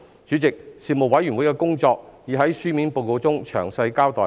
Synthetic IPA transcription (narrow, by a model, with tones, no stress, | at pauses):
t͡ʃy˨˥t͡sɪ˨k̚siː˨mo˨˩wɐ˨˥jɥy˨˩nwu˨˥jkɛː˧kʊ˥ŋt͡sɔː˧k̚jiː˨ɦɐ˨˥jsyː˥miː˨˥npo˧wko˧t͡sʊ˥ŋt͡ʃʰœ̰ː˨˩ŋsɐ˧jkaː˥wt̪ɔː˨